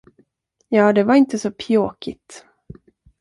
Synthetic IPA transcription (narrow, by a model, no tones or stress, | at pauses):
jɑːd̪ɛvaɾɪnt̪əsɔpʰjoːkɪt̪